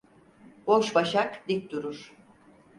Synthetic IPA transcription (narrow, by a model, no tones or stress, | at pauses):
boʃbaʃakd̪ik̚ʲd̪uɾuɾ̥